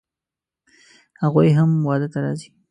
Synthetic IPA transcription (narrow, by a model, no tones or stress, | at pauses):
haɣujɦamwɑd̪ət̪aɾɑ̰zi̥